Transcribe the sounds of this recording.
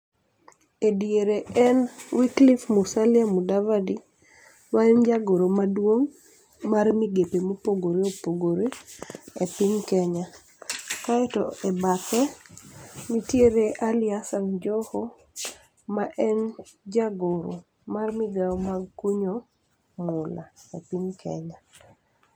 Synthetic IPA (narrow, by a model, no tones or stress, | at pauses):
edjeɾeɛnwiklifmusalɪamudavadi | maɛnd͡ʒaɡoɾomadwoŋ | marmiɡepemopoɡoɾeopoɡoɾeepɪɲkɛɲa | kaɛtɔ̰ɛbakɛ | nitjeɾeʔalɪasaŋd͡ʒɔho | maʔɛnd͡ʒaɡoɾo̰ | marmɪɡamaɡkuɲo | mʊla̰ɛpiɲkʰɛ̰ɲa